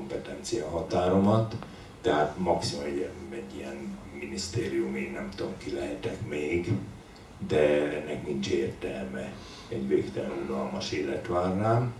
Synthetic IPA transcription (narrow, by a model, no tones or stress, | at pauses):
mpɛt̪ɛnt̪sijɒɦɒt̪aːɾo̞mɒt̪ː | ɛɦaːt̪mɒksimuɛɟɛɟːijɛn | minist̪eːɾijumeːnːɛmt̪omkilɛɦɛt̪ɛkmeːɡ | d̪ɛɛnːɛknint͡ʃeːrt̪ɛlmɛ | ɛɟveːkt̪ɛlɛnulɒlmɒʃeːlɛt̪ʋaːrnaːm